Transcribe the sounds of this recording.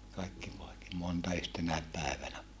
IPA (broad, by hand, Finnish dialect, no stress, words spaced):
kɑikːi poeki montɑ yhtenæep pæˑeʋænæ